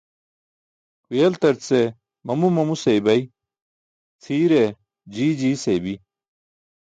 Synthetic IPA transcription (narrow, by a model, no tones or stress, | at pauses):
kelt̪ɐɾt͡se | mɐmumɐmusejbɐi | t͡sʰiːɾe | d͡ʑiːd͡ʑiːsebi